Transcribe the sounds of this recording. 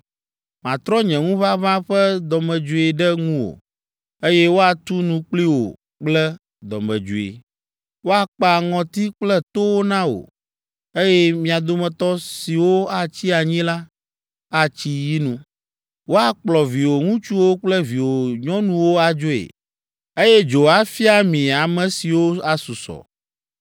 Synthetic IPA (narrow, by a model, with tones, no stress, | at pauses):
mã˨t̪ɾɔ˦ɲɛ̃˨ŋũ˦βa˦βã˦ɸɛ˦d̪ɔ˨mɛ̃˨d͡ʒu˨e˨ɖɛ˦ŋũ˦wo̰˨ | e˦jɛ˦wo˦a˨t̪u˦nũ˦k͡pli˦wo̰˨ | k͡plɛ˦ | d̪ɔ̰˨mɛ̰̃˨d͡ʒṵ˨ḛ˨ | wo˦a˨k͡pa˨ŋɔ̃˨t̪i˦k͡plɛ˦t̪o˦wo˦nã˦wo̰˨ | e˦jɛ˦mĩ˨a˨d̪o˦mɛ̃˨t̪ɔ˦si˨wo˦a˦t͡ɕi˦a˨ɲĩ˦la˦ | a˦t͡ɕi˦ji˦nũ˦ | wo˦a˨k͡plɔ˨vi˨wo˨ŋũ˦t͡ʃu˦wo˦k͡plɛ˦vi˨wo˨ɲɔ̃˦nũ˦wo˦a˨d͡ʒo˦ḛ˨ | e˦jɛ˦d͡ʒo˨a˨fi˦a˦mĩ˨a˨mɛ̃˨si˨wo˦a˨su˨sɔ̰˨